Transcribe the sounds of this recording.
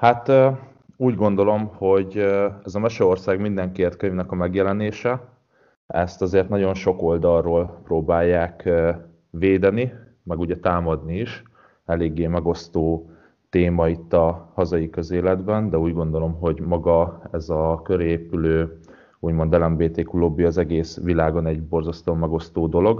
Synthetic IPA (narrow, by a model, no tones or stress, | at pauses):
hat̪ː | uːɟɡo̞n̪d̪o̞lo̞mho̞ɟɛzɒmɛʃɛorsaːɡmind̪ɛŋkeːrt̪̚køɲvnɛkɒmɛɡjɛlɛneːʃɛ | ɛ̰st̪ɒzeːrt̪nɒɟo̞nʃo̞ko̞ld̪ɒrroːlproːbaːjːaːk | veːd̪ɛni | mɛɡuɟɛt̪aːmɒd̪niiʃ | ɛleːɡːeːmɛɡo̞st̪oː | t̪eːmɒit̪ːɒhɒzɒjikøzeːlɛd̪bɛnd̪ɛuːɟɡo̞nd̪o̞lo̞mɦo̞ɟmɒɡɒɛzɒkøɾeːpyløː | uːɟmo̞nd̪ɛlɛmbeːt̪eːkuloːbːiɒzɛɡeːsʋilaːɡonɛɟbo̞rzɒst̪oːmɛɡo̞st̪oːd̪o̞lo̞ɡ